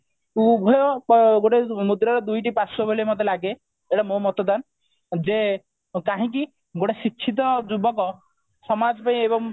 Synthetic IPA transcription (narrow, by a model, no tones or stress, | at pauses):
ubʱɔjɔɡoʈemud̪ɾaɾɔd̪ujʈipasɔbʱolimɔd̪ʱelaɡe | eʈamomɔt̪ɔd̪an | d͡ʒe | kaɦĩk̬i | ɡoʈesikːt͡ʃʰit̪̬ɔd͡ʒubɔkɔ | sɔmad͡ʒɔpaĩebɔŋ